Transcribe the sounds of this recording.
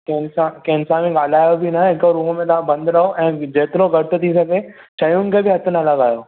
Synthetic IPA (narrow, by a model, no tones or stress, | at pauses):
kɐɦɪnsãkɐɦɪnsãmẽɡaːl̤aːjobʱinaɦɪkoɾuːɦəmẽt̪ɐʋ̤ãbɐ̃nd̪ɾɐɦoʔɛ̃ːd͡ʑeːt̪ɪɾoɡɐɾt̪̆t̪ʰis̬ɐɡʱe | ʃʰɐijʊnɪ̆kʰeːbɪɦɐt̪ʰənɐlɐɡaːjoː